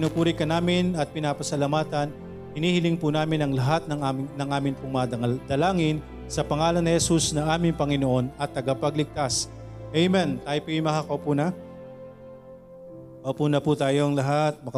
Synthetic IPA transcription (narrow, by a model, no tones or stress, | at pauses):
pnupuːɾɪkɐnaːmɪnɐt̪̚pɪnaːpɐsɐlamaːt̪ɐn | hɪniːhɪlɪŋpunaːmɪnɐŋlɐɦat̪̚nɐŋanɐŋʔaːmɪnpʊŋmad̪̥ɐlaːŋɪn | sɐpɐŋaːlɐnːɪhɛsusnɐʔaːmɪŋpɐŋɪno̞ʔo̞nɐt̪ːɐɡapɐɡlɪɡ̚t̪as | ʔɛjmɛnt̪aːjopujmɐhakopunɐ | kɐpunɐput̪aːjo̞ɐŋlɐɦat̪̚mɐk